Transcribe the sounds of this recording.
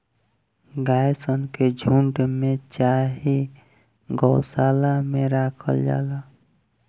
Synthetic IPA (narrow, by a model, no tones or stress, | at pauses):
ɡajsənked͡ʒʱuɳɖmet͡ʃaɦi | ɡɔwsalameɾakʰə̰ld͡ʒa̰la